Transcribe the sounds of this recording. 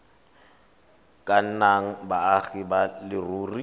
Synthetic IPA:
kʼan̩naŋ̩baːɣibalɪruːri

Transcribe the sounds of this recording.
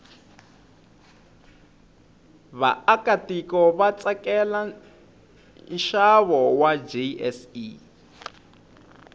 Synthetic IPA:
βa̰ːkatikɔβat͡sʼakɛla | nʃaβɔwad͡ʒeɛsi

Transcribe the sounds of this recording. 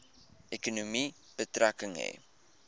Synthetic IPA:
ʔɛkunumi | b̥ətrækəŋɦɛ̰

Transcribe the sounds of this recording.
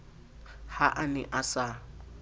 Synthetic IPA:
haʔanɪʔasa

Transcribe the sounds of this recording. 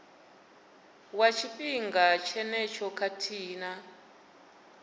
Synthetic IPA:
wat͡ʃʰipʼiŋɡat͡ʃʰɛnɛt͡ʃʰɔkʰatʰiːna

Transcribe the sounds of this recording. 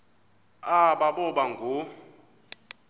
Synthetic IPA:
aɓaɓɔɓaŋɡʱu

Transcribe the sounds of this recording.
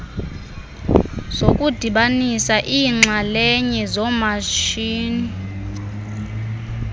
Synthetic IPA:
z̥okʼud̥ʱiɓanisaʔiːŋ͡ǁalɛɲɛzɔmaʃiːni

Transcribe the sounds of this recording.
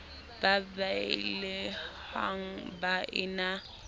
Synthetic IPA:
babaɪlɪhaŋ̩baʔɪna

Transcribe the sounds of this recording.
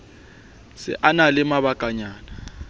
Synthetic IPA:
sɪ̰ʔanalɪmaβakʼaɲaːna

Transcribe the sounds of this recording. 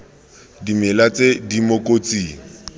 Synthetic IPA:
dimɪlat͡sedimokʼot͡siːŋ̩

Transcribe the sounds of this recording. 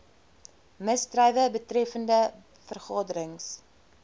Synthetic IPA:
məstrɛjvəbətrɛfəndə | fərχɑːdəɾəŋs

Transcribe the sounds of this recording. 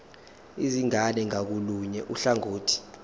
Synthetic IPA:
iziŋanɛŋak̬uluɲɛʔuɬaŋoːtʰi̥

